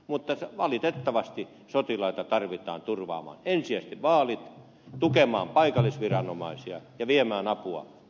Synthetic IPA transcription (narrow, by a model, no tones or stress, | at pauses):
mut̪ːɑsʋɑlit̪et̪ːɑʋɑst̪i | sot̪ilɑit̪ɑt̪ɑrʋit̪ˑɑ̰ːnt̪urʋɑ̰ːmɑ̰ːnensiæst̪iʋʋɑːlit̪ | t̪ukemɑ̰ːmpɑikɑlːˑisʋirɑnomɑisiɑ̰jɑʋiemæːnɑpuɑ̰